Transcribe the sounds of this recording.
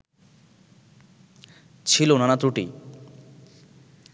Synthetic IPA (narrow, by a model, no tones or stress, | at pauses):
t͡ɕʰilonanat̪ɾuʈḭ